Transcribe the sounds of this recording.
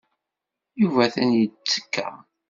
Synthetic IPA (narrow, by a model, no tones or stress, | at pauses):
juvæθænjət͡sːə̥kːæ̰